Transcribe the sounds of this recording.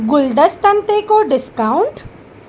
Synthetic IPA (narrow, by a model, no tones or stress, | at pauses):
ɡʊld̪əst̪ɐnt̪ekoɖɪskaʊɳʈ